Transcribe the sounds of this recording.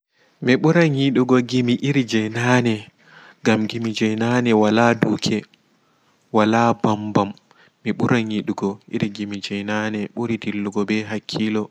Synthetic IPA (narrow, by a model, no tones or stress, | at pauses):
miɓuɾaŋiɗuɡɔɡimiʔiɾd͡ʒɛjnaːnɛ | ɡamɡimid͡ʒɛjnaːnɛwaladukʰɛ | walabambamː | iɓuɾaŋiɗuɡɔʔḭɾɡimid͡ʒɛjnaːnɛɓuɾitilːuɡɔbɛɦakʰːiːlɔ